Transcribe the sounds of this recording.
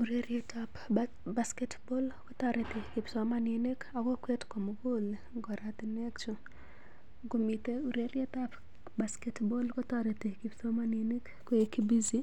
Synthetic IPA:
u˨ɾe˦ɾje˦tap | baskɛ˦tbɔ˦lkɔ˦t̪a˨ɾe˨t̪e˨kɪ˨psɔmanene˦ka˨ɡɔ˦kwe˦tko˨moɡo˦l | ɡɔ˨ɾat̪ɪ˨nɛ˦kt͡ʃo˨ | ɡo˨mi˨te˦u˨ɾe˦ɾje˦ta˦p | baskɛ˦tbɔ˦lkɔ˦taɾe˨te˨ki˨psɔ˦ma˦nene˦k | kɔ˦e˨ki˦bi˦zi˦

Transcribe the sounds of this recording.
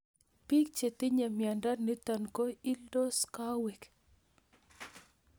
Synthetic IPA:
pi˦k̚t͡ʃe˨t̪i˦ɲa˨mja˨nda˦ni˦t̪a˨nko˦i˦ldo˦ska˦we˨k

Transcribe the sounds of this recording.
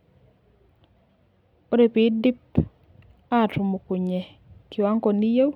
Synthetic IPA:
o˦ɾe˨pi˨˦di˦p | a˦˨tʊ˨mu˨ku˨ɲe˨ | kɪ˨wa˦ŋko˨ni˦je˦w

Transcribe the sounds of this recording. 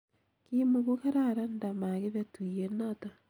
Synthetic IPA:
kimuɣuka˦ɾaɾa˦nda˨ma˨ɣe˦βetu˨ie˦nata˨

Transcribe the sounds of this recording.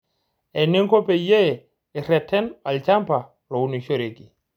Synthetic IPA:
ɛ˨ne˦ŋko˦pe˨je˦˨ | ɪ˨ɾɛ˨tʰɛ˦na˨lt͡ʃa˦mpa˨ | lo˨u˦ni˨ʃo˦˨ɾe˨ki˨

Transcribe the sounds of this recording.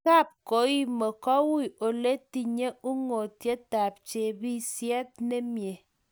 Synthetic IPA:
ka˦˨p̚ko˨˦i˦me˨kɔ˦wi˦˨ʔo˨le˦ti˨ɲe˦u˦ŋo˨tje˦ta˨p̚t͡ʃe˨bi˦sjɛ˦t̚ne˦mje˨

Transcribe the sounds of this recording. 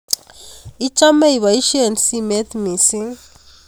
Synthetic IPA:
i˦t͡ʃʼa˦me˦i˨βa˨i˦ʃi˦e˨nsi˦mɛ˦t̪mi˨si˦ŋ

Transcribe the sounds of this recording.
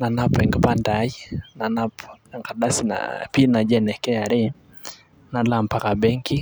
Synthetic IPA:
na˨na˦pɛŋɡɛpanda˨i˦na˨na˦pŋka˨ɗa˦si˨na̰pi˦na˨d͡ʒɛnɛ˨kɛa˨ɾɛ˦ | na˨lam̩˨pa˦ka˨ɓɛ˦ŋki˦

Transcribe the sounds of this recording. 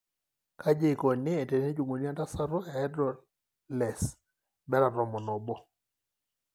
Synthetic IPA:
ka˦d͡ʒe˦˨kɔ˨nɪ˦e˨tɛ˨ne˦d͡ʒu˨ŋo˨ni˦a˦ta˦sa˦ɾɔ˦ɛ˨ɛ˦dɾɔ˨ | lɛ˨s | bɛ˦ɾa˨ɾɔ˨mɔ˨nɔ˨bɔ˦

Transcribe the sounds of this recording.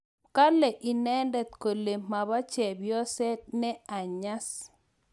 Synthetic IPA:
ka˦lɛ˨ʔi˨nɛ˦ndɛ˨t̪ko˨le˨ma˨ba˦t͡ʃɛ˨bjɔ˦sɛ˦nɛ˦a˨ɲa˦s

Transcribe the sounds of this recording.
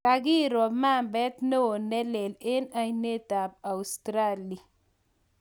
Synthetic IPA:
a˨ɡi˦ɾɔ˨ma˦mbɛ˦t̪ne˦o˨nɛ˦le˨le˦na˨jne˦t̪a˨b̚a˨wst̪ɾa˦li˨

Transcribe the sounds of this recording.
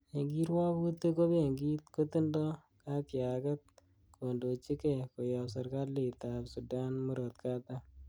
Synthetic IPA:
e˨ŋɡi˦ɾwa˦but̪ːe˦ko˦be˨ŋɡi˦t̪ko˦t̪ɪ˦ndɔ˦ | ka˦kjakɐ˦t̪̚ | kʰo˨ndo˨t͡ʃi˦ke˨ko˨jɔ˨s̬a˨ɾka˦li˨tapsu˨da˦nmu˦ɾo˨t̪kʰa˦t̪a˦

